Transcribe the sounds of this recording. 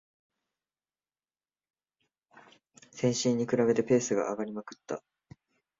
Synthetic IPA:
sẽ̞ɰ̃ɕĩɲ̟ːikɯ̟ɾabe̞t̪e̞pe̞ːsɨɡa̰ʔːɡaɾʲimakɯ̟̥t̪ːa̰

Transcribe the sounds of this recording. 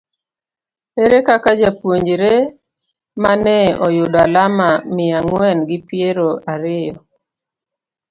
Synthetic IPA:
eɾekakad͡ʒapwoɲd͡ʒɾe | manɛɔjʊdalamamɪaŋwɛnɡɪpjeɾoaɾɪjɔ

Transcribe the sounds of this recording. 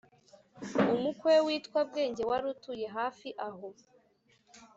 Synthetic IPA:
umukwewiːtkwab̚ɡe̞ːɲɟe̞waɾutuje̞ɦaːfiʔaɦo

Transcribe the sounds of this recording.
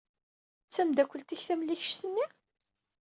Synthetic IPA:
t͡sːæmd̪ækʷːəlt̪içθæmliçə̥ʃt̪ənːi

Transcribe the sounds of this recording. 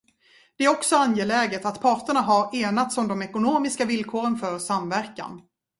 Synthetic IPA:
d̪ɛæɾɔksɔanjeːlɛːɡət̪at̪pʰɑːʈəɳaɦaɾeːnat̪sɔmd̪ɔmɛkʊnoːmɪskavɪlkʰoːɾənfœɾsamvæɾka̰n

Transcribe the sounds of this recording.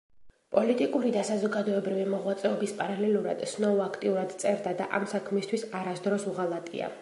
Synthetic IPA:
pʼɔlit̪ʼikʼuɾid̪asazɔɡad̪ɔɛbɾivimɔʁwat̪sʼɛɔbispʼaɾalɛluɾa̰d̪̥snɔuakʰt̪ʼiuɾad̪t̪sʼɛɾd̪ad̪a̰ʔamsakʰmist̪ʰwisaɾasd̪ɾɔsuʁalˠat̪ʼḭa̰

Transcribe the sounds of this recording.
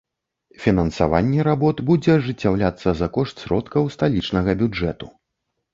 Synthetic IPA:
fʲinɐnsa̰va̰nʲːɛɾabɔt̪bud͡zʲɛʐɨt͡sʲːawlʲat̪sːɐzɐkɔʂt̪sʲɾɔt̪kɐwst̪alʲit͡ʂnɐɣɐbʲud͡ʐɛt̪u̥

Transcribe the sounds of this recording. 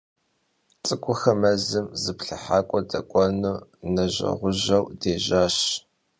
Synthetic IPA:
t͡sʼɨkʷʼʊxɐmɐzɨmzɨpɬɨħaːkʷʼɔdɐ̰kʷʼɔnuːnɐʑɐ̰ʁʷʊʑɐwdeːʑaːɕ

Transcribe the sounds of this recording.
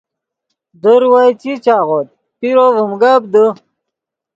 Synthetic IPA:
d̪əɾwajt͡ɕit͡ɕaːʁot̪̚ | piɾovəmɡab̚d̪ə

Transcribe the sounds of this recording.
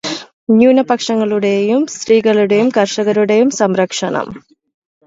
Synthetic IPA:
njuːnɐpɐkʂɐŋːɐɭuɽejumst̪ɾiːɡɐɭuɽejumkɐrʂɐɣɐɾuɽejumsɐmɾɐkʂɐɳɐ̰m

